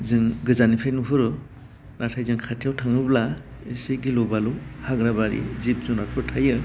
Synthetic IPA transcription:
zɯŋɡɯzanipʰajnupʰɯɾɯ | natʰajzɯŋkʰatʰijawtʰaŋɯbla | isiɡilobaluhaɡɾabaɾḭzip̚zunat̚ʰɯɾtʰajɯ

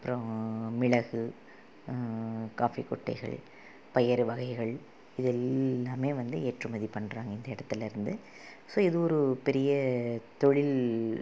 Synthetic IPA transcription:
ɐpːɯɾõmɪɻɐɣɯ | kaːfikɔʈːɐ̰ɪɣɐ̰ɭ | pɐjɐɾʋɐɣɐɪɣɐɭ | ɪðɛlːaːmeːʋɐnd̪ɯeːʈrɯmɐðipɐɳːɾaːŋɡɐɪnd̪ɐɪɽɐt̪ːɪlɪɾɯnd̪ɯ | soːɪðɯɔɾɯpɛɾɪjɐt̪ɔɻɪl

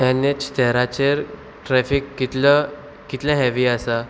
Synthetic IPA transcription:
ɛnet͡ɕt̪ʰɛɦɾat͡ɕeɾ | ʈɾɛfikːit̪lə | kit̪lãɦɛʋiasa

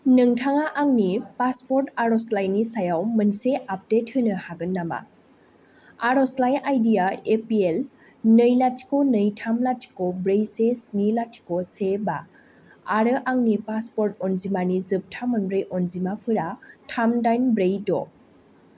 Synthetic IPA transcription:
nɯŋtʰaŋaʔaŋnipaspɔɾtaɾɔslajnisajawmɯnseap̚det̚hɯnɯhaɡɯnːama̰ | aɾɔslajnʔajdijaepiel | nɯjlatʰi̥konɯjtʰamlatʰi̥kobɾejsesnilatʰi̥kosebaː | ɾɯʔaŋnipaspɔɾtɔnzimanizɯp̚tʰamɯnbɾejʔɔnzimapʰɯɾatʰamdajnbɾejdɔ̰

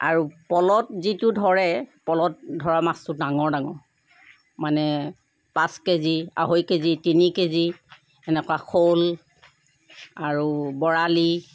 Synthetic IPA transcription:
a̰ɹupɔlɔtzitʊdʱɔɹɛpɔlɔt̚dʱɔɹamastʊdaŋɔɹdaŋɔ | manɛ | pãskezia̰ɦojkezitinikezi | ɛnɛkwaxʰol | aɹubɔɹali

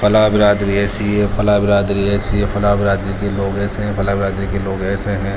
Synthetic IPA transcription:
fʰɐlaːbɪɾaːd̪ɾiɛːsejefɐlaːbɪɾaːd̪ɾiɛːsejefʰɐlaːbɪɾaːd̪ɾikeloːɡɛːseɦɛ̃fʰɐlaːbɪɾaːd̪ɾikeloːɡɛːseɦɛ̃

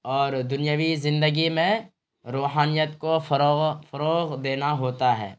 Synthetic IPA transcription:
ɔːɾd̪ʊnjəʋizɪ̃nd̪əɡimẽ | ɾoːɦaːnijət̪kofɾofəɾoːɣd̪eːnaɦoːt̪aɦɛ̰ː

